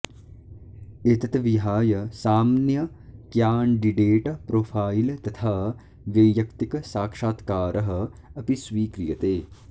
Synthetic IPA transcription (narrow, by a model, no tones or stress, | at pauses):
eːt̪ɐt̪ɐʋiɦaːjɐsaːmnjɐ | kjaːɳɖiɖeːʈɐpɾoːfʰaːilt̪ɐt̪ʰaː | ʋɐjjɐkt̪ikɐsaːkʂaːt̪kaːɾʔɐɦɐ̆ɐpisʋiːkɾijɐt̪eː